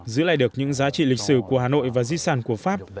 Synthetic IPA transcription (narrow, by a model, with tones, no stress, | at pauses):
zɨ̰˧˥la̰ː˧˨ɗɨ˨˩ək̚ɲɨ̰˧˥ŋzaː˨˦t͡ɕḭ˧˨li˨˩k̟̚sɨ˧˩ku˧˩əhaː˨˩no̰˧˨jvaː˨˩zi˧saː˨˩nku˧˩əfaː˦˥p̚